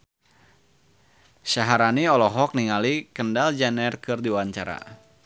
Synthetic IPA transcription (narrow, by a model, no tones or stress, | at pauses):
saɦaɾaniɔlɔɦɔk̚niŋalikəndald͡ʒanɛrkɨrdiwaɲt͡ʃaɾa̰